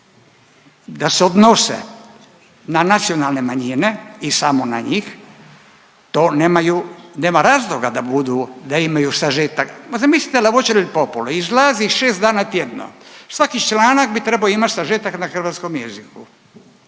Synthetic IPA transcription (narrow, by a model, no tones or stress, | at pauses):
d̪aseod̪nosḛ | nanat̪sijonalne̞maɲineisamona̰ɲiːx | t̪oːnemajuneːmaɾaːzlˠoɡad̪abud̪ud̪aimajusaʒet̪akzamislit̪elaʋot͡ʃeɾilipopoloizlaːziʃeːst̪d̪aːnat̪jed̪no̰sʋakit͡ʃlaːnak̚bit̪ɾebaoimat͡ʃsaʒet̪aknaxr̩ʋat̪skomjeziku